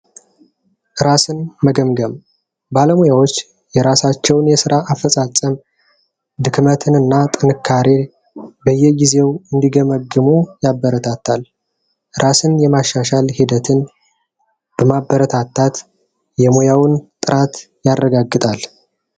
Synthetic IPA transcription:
ʔɨɾasɨnməɡəmɡəm | baləmojawot͡ʃː | jɛɾasat͡ʃːɛwnjɛsɨɾaʔːfəsʼat͡sʼːəm | d̪ɨkmət̪ʰɨnɨnːat̪ʼɨnɨkʰːaɾe | bəjːɛɡize̞wɨnd̪iɡəməɡːɨmojabːəɾət̪ʰat̪ʰːal | ɾʔasɨnjɛmaʃːaʃalhid̪ət̪ʰɨn | b̥əmabːəɾət̪ʰat̪ʰːat̪ | jɛmojawnt̪ʼɨɾʔat̪ | jarːəɡaɡːɨt̪ʼal

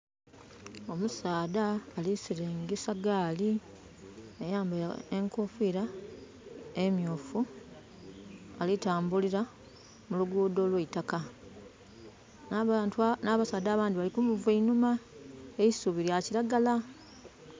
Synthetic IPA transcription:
o̞musaːdaːlisiɾeːŋɡesaɡaːli | ejaːmbaeŋkofiɾa | emjoːfu | alitaːmbuliɾa | muluɡuːdo̞ːlweitaka | tnaβasaːd̪aːβaːndiβalikumuvweinumaejisuβiɾjaciɾaɡala

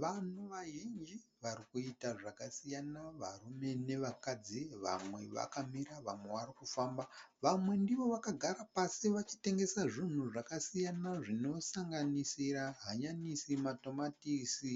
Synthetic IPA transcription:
ʋan̤uʋaʒind͡ʒiʋarikuitaʐakasijanaʋa̰rume̞ne̞ʋakad͡ziʋa̰mwe̞ʋa̰kamiraʋamwe̞ʋarikufaːmba | ʋamwe̞ndiʋo̞ʋakaɡʱaɾapasiʋat͡ʃi̥te̞ŋɡe̞saʐin̤uʐakasijanaʐino̞saŋɡanisiɾaɦaɲanisimato̞matisi

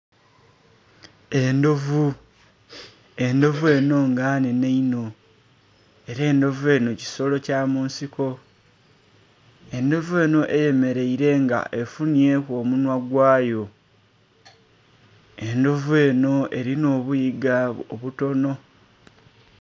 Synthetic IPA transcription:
e̞ndo̞vu | e̞ndo̞vue̞no̞ŋɡaːneneino̞ | e̞ɾe̞ːndo̞vue̞no̞ci̥so̞lo̞caːmuːnsiko̞ | e̞ndo̞vue̞ːno̞ʔe̞je̞me̞ɾe̞iɾe̞ŋɡa̰ʔe̞funje̞ːko̞ːmunwaɡwaːjo̞ | e̞ndo̞vue̞ːno̞e̞ɾino̞ːβujiɡaoβuto̞no̞

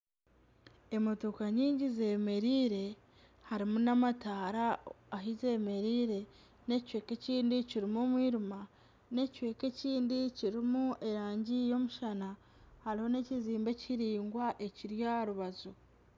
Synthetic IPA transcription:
e̞motokaɲiːɲɟize̞me̞ɾiːɾe̞ | haɾimunamataːɾaː | ɦize̞me̞ɾiːɾe̞ | ne̞cwe̞ːke̞ciːndiciɾimomwiːɾuma | ne̞cwe̞ːke̞ciːndiciɾimueɾaːɲɟijo̞muʃana | haɾiho̞ne̞ciziːmbe̞ciɾiːŋɡwaʔe̞ciɾjaɾuβazo

